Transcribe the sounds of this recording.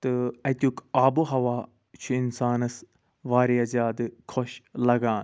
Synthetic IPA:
t̪ɨɐt̪ʲukʰaːbuɦɐʋaː | t͡ʃʰuinsaːnɐs | ʋaːɾiɐzjaːd̪kʰoʃlɐɡaːn

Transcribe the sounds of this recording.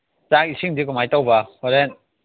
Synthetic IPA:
t͡ʃak̚isiŋdikumajtawbɐhɔɾen

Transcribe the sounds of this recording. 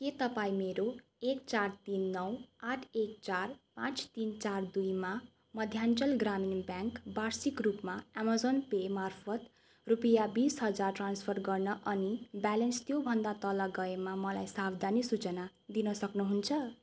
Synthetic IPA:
ket̪ʌpaĩmeɾo | ek̚t͡sart̪inːʌwaʈʰek̚t͡sarpãt͡st̪int͡sard̪ujma | mʌd̪ʱjant͡sʌlɡraminbjaŋkbarsikrupmaamazonpemarpʰʌt̪ | rupijabisɦʌd͡zarʈranspʰʌrɡʌrnʌʔʌnibalenst̪jobʱʌnd̪at̪ʌlʌɡʌemamʌlajsabd̪ʱanisut͡sʌna | d̪inʌsʌknuɦunt͡sʰʌ

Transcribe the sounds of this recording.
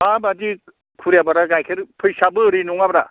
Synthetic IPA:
abadi | kʰuɾjabaɾaɡajkʰeɾpʰɯjsabɯɾinuŋabɾa

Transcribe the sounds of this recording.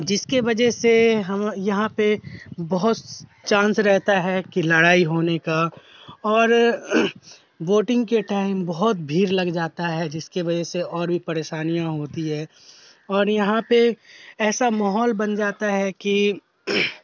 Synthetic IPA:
d͡ʒɪskeʋɐd͡ʒɛɦseɦɐmjɐɦãpebɐɦʊt̪t͡ʃãːnsɾɛɦt̪aɦɛkilɐɽaːiɦoːneka | ɔːɾ | ʋoːʈɪ̃ŋɡkeʈaːɪ̃mbɐɦʊt̪̚bʱiːɾlɐɡd͡ʒaːt̪aɦɛd͡ʒɪskeʋɐd͡ʒɛɦseɔːɾbʱipɐɾeːʃaːnijãɦoːt̪iɦɛː | ɔːɾjɐɦãpeɛːsamaːɦɔːlbɐnd͡ʒaːt̪aɦɛki

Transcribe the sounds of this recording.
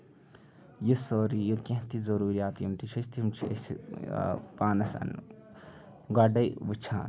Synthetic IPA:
jisoːɾijukẽt̪izɐɾuːɾijaːt̪junt̪it͡ʃʰɐst̪imt͡ʃʰiḛsḭ | paːnɐsɐ̰n | ɡaɖɐjʋut͡ʃʰa̰ːn

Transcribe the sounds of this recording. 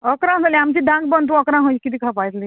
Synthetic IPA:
əkɾãɦaliamt͡ɕiːɖʱãŋɡ̚bənt̪̬ũɔkɾãɦoikit̪̬iːkʰapajt̪li

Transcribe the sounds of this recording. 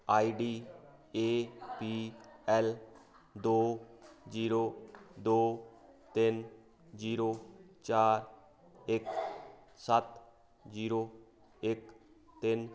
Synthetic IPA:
aːiɖiːeːpiːɛːl | d̪oːd͡ʒiːɾoːd̪oːt̪ɪn | d͡ʒiːɾoːt͡ʃaːɾ | ɪk | sət̪ | d͡ʒiːɾoː | ɪk | t̪ɪn

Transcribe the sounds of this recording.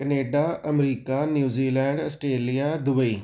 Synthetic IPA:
kəneːɖaːəmɾiːkaːnjuːziːlɛ̃ːɳɖəsʈɾeːlijaːd̪ʊbəiː

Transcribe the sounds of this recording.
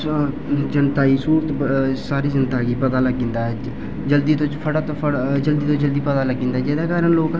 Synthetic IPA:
d͡ʒənt̪aːiːsuːɾt̪saːɾiːzənt̪aːɡiːpət̪aːləɡĩːnd̪aːɛː | d͡ʒəld̪iːt̪õːt͡ʃpʰəɽaːt̪oːəd͡ʒəld̪iːt̪õːd͡ʒəld̪iːpət̪aːləɡːĩnd̪aːd͡ʒeːd̪aːkaːɾənloːk

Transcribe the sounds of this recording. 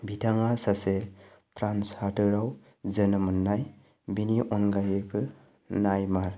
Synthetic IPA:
bitʰaŋasase | pʰɾanshatɯɾaw | zənɯmɯnːaj | biniʔɔnɡajebʰɯ | najmaɾ

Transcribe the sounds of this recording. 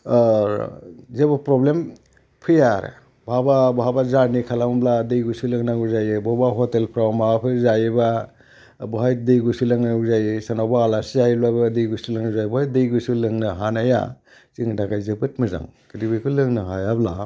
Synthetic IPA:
zebapɾoblem | pʰɯjaɾḛ | bababɔɦabazanikʰalambladɯjɡusulɯŋnaŋɡuzajebɔbaɦɔtelpʰɾawmaapʰɯzajiba | bɔɦajdejɡusulaŋnauzajisanawbaːlasiajlajbadɯjɡusulɯŋazajbɔhajdejɡusulɯŋnɯɦanaja̰ | ziŋdaɡajzebɯt̚mɯza̰ŋkiɾibikʰulɯŋnaɦajabla

